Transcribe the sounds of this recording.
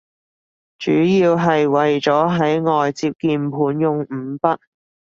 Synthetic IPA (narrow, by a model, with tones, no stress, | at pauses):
t͡ʃy̰ː˨˥jiː˧wɦɐ˨jwɐ˨jt͡sɔː˨˥ɦɐ˨˥jŋɔː˨jt͡siː˧p̚kiː˧npʰuː˨˥njʊ˨˧ŋ̩ː˨˩˦pɐ˥t̚